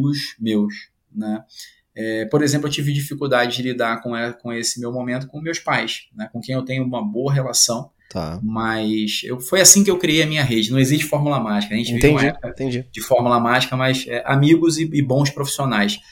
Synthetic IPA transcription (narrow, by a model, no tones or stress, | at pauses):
ɡʊsmews | nɛ | ɛpoɾezẽplʊewt͡ʃivɪd͡ʒifikuwd̪ad͡ʒɪd͡ʒɪlid̪akõɛkõesɪ̥mewmõmẽnt̪̬ʊ̥kõmewspajsnɛkõkẽj̃ewt̪ẽɲʊũmɐboɐɦelasɐ̃w̃ | t̪ʰa̰mɐsḛwfojasĩkɪewkɾiejɐmĩɲɐɦed͡ʒɪnɐ̃w̃eziʃt͡ʃɪ̥fɔɾmulɐmaʒikɐʒẽnt͡ʃɪvieẽũmɐiɛpkɐt̪ẽd͡ʒid͡ʒɪfɔɾmulɐmaʒikɐmɐjzɛʔamiɡʊzɪɪbõw̃spɾofi̥sionajs